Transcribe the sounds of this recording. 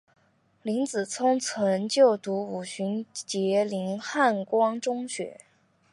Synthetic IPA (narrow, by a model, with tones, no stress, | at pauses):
li˧˥ŋt͡sɹ̩˨˩t͡sʰʊ˥ŋt͡sʰə˧˥nt͡ɕjo˥˩ʊt̪u˧˥u˨˩ɕy˧˥nt͡ɕjɛ˧˥li˧˥nxa˥˩nkwɑ˥ŋʈ͡ʂʊ˥ŋɕɥɛ̰˧˥